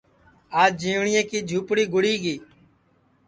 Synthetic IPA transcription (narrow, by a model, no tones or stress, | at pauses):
aːd͡ʒd͡ʒĩːʋɳɪjẽːkiːd͡ʒʱuːpɽiːɡʊɽiːɡiː